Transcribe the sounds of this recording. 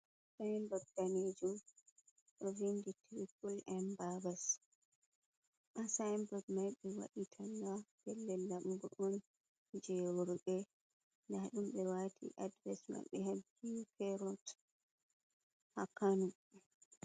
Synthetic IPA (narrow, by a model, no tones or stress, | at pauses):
sajmbɔɡ̚daned͡ʒum | ɗɔvinditiɾikulɛmbabas | ʔasajmbɔɡmajɓɛwa̰ɗitʰalːabɛlːɛlːaɓuɡɔʔɔn | d͡ʒɛwoɾuɓɛ | ndaɗumɓɛwatʰḭʔadvɛsma̰ɓɛ̰haɡ | ikɛɾɔt | hakanu